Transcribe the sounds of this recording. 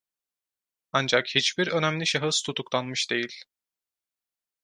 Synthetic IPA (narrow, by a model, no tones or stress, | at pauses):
and͡ʒakhit͡ʃbiɾø̞næmlʲiʃaɦɯst̪ʰut̪ʰuklˠanmɯʃd̪̥e̞jilʲ